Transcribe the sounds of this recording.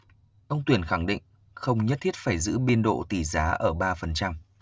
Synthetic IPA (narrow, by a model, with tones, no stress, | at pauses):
ʔə˧wŋ͡mt̪wi˧˩ənxa˧˩ŋɗḭ˧˨ŋ̟ | xə˧wŋ͡mɲə˦˥t̪ʰi˦˥t̚faː˧˩jzɨ̰˧˥ɓi˧ənɗo̰˧˨t̪i˧˩zaː˨˦ʔəː˧˩ɓaː˧fə˨˩nt͡ɕa˧m